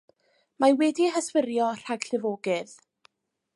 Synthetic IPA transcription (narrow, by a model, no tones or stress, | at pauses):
mawɛdiɦəswɪɾjɔr̥aɡ̥ɬɪvoːɡɨð